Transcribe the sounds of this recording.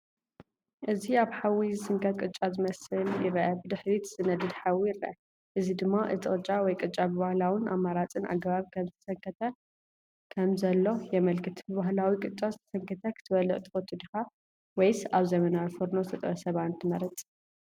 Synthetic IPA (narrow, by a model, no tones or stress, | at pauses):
ʔɨziaβħawizɨsɨŋkʰɐt̪kʼɨt͡ʃʼːazɨmɐsɨljɪɾɐʔɐbɨd̪ɨħɾit̪z̥ɨnɐd̪ɨd̪ħawijɾɐ̰ʔɐ | ʔɨzid̪ɨmːaʔɨt̪ʼɨχʼɨt͡ʃʼawɔjkʼɨt͡ʃʼabɨβahlawɨnʔa̰mːaɾat͡sʼɨnʔa̰ɡɐβaβkʰɐmzɨt̪ʰɐsɐŋkʰɐt̪ʰɐ | kʰɐmzɐlːo̞jɛmɐlkʰɨt̪bɨβahlawikʼɨt͡ʃʼazɨt̪ʰɐ̥sɐŋkʰɐt̪ʰɐkʰɨ̥t̪ʰɨβɐlɨʔʼt̪ʼɨot̪ʰud̪ɨxa | wɔjsaβzɐmɐnawifɨɾnozt̪ʰɐt̪ʼɾɐsɐβat̪nt̪ʰɨmɐɾɨt͡sʼ